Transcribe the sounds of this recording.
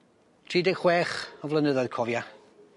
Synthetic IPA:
tʰriːdɛχwɛːχɔvlənəðɔðkʰɔvja

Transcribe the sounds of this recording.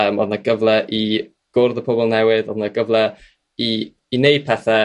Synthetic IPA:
əmɔ̰ðnaɡ̥əvlˠɛʔi | ɡ̥ʊrðəpʰɔbɔlˠnɛwɪðɔðnaɡ̥əvlˠɛ | iː | nejd̚pʰɛθɛ

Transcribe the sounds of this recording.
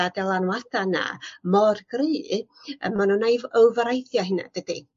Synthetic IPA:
adɛlˠanwaθana̰mɔrɡriː | ə̰manunajvəwvəɾajθjaɦɪna̰d̥əd̥ḭ

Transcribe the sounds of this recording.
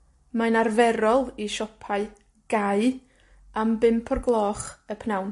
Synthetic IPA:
manarvɛɾɔlˠiʃɔpʰaɨ | ɡ̥aɨ | ambɪmpʰɔrɡlˠɔːχəpʰnawn

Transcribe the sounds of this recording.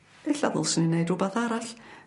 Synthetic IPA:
ɛɬa̰ðʊlˠsɪnɪnejdubaθaːɾaɬ

